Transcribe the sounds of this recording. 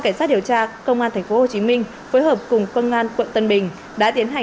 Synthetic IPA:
ka˧˩ŋ̟saː˦˥t̚ɗi˨˩əwt͡ɕaː˧kə˧wŋ͡mʔaː˧nt̪ʰa˨˩ŋ̟fo˨˦ho˨˩t͡ɕi˨˦mï˧ŋ̟ | foː˨˦jɦəː˨˩p̚kʊ˨˩ŋ͡mkə˧wŋ͡mʔaː˧nkwə̰˧˨nt̪ə˧nɓï˨˩ŋ̟ | ɗa̰ː˧˥t̪i˨˦ənɦa˨˩

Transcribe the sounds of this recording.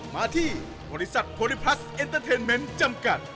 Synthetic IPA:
maː˧t̪ʰi˧ | bʱɔ˨ɾisa˨t̪̚pʰo˧lipʰɾa˦s | ent̪əɾt̪ʰe˧nme˧nt͡ɕamka˨t̪̚

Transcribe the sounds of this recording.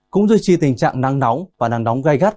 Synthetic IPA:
kʊ̰˧˥ŋ͡mzi˧jt͡ɕi˧˩t̪ï˨˩ŋ̟t͡ɕa̰ː˧˨ŋna˧ŋnɔ˨˦wŋ͡mvaː˨˩na˧˩ŋnɔ˨˦wŋ͡mɣa˧jɣa˦˥t̚

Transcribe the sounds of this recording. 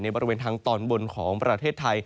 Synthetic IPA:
na˧jbɔː˧ɾi˦weː˧nt̪ʰaː˧ŋt̪ɔː˧nbo˧nkʰɔː˩˦ŋpɾa˧t̪ʰeː˥˩t̪ʰːa˧j

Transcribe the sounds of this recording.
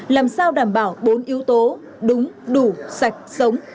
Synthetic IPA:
laː˨˩msaː˧wɗaː˧˩mɓaː˧˩wɓo˨˦nʔi˨˦əwt̪o˨˦ | ɗʊ˨˦ŋ͡mɗu˧˩sa˨˩jk̟̚sə˨˦wŋ͡m

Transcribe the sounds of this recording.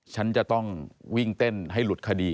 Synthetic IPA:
t͡ɕʰa˦˥nt͡ɕa˨˩t̪ɔ˥˩ŋwi˥˩ŋt̪e˥˩nɦa˥˩jlu˨˩t̪̚kʰa˧diː˧

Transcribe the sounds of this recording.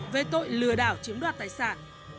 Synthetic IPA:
ve˨˩t̪o̰˧˨jlɨ˨˩əɗaː˧˩wt͡ɕi˨˦əmnɗwaː˨˩t̪aː˧˨˩jsaː˧˩n

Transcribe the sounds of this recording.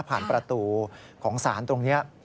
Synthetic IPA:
pʰaː˨˩npɾa˧t̪uː˧ | kʰɔː˩˦ŋsaː˩˦nt̪o˧ŋni˦˥ɐ

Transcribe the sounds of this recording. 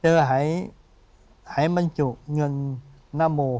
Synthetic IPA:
t͡ɕəː˧˩ɦa˧˥˦j | ha˧˥˦jmə˧˩nt͡ɕu˨˩k̚ŋɨ˨˩nː | aː˧mo˨˩

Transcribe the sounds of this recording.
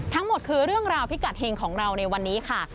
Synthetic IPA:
t̪ʰa˦˥ŋmo˨˩t̪̚kʰɯː˧ɾɯ˥˩əŋɾaː˧wpʰi˦˥ka˨˩t̪̚heː˧ŋkʰɔː˩˦ŋɾa˧wna˧jwa˧nːiː˦˥kʰa˥˩

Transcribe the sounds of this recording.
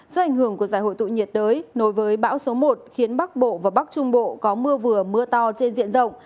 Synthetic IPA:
zo˧˩ʔa˨˩jŋ̟hɨ˧˩əŋku˧˩əzaː˧˩jho̰˧˨jt̪ṵ˧˨ɲi˨˩ət̚ɗəː˨˦jno˨˦jvəː˨˦jɓa̰ː˧˥wso˨˦mo˨˩t̚xi˨˦ənɓa˦˥k̚ɓo̰˧˨vaː˨˩ɓa˦˥k̚t͡ɕʊ˧ŋ͡mɓo̰˧˨kɔ˨˦mɨ˧əvɨ˨˩əmɨ˧ət̪ɔ˧t͡ɕe˧nzḭ˧˨ənzə̰˧˨wŋ͡m

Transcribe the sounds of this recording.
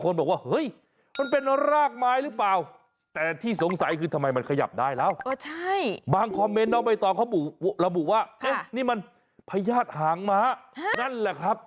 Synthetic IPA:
kʰo˧nbɔː˨˩k̚waː˥˩hɤ˦˥j | ma˧np̬e˧nɾaː˥˩k̚maː˧˥jɾɯː˦˥plaː˨˩w | t̪ɛː˨˩t̪ʰiː˥˩so˩˦ŋsa˨˦jkʰɯː˧t̪ʰa˧mːa˧jma˧nkʰa˧ja̰˨˩p̚daː˥˩jlɛː˦˥˩wt͡ɕʰa˥˩jbaː˧ŋkʰɔː˧mːe˧˦˥nːɔː˦˥˩pa˧jt̪ɔː˨˩kʰa˦˥˩bu˨˩˧ɾa˧bu˨˩waː˥˩kʰe˧˥niː˥˩ma˧n | pʰa˧jaː˥˩t̪̚haː˨˦ŋmaː˧˥na˥˩nlɛː˨˧˩kʰɾa˦˥p̚

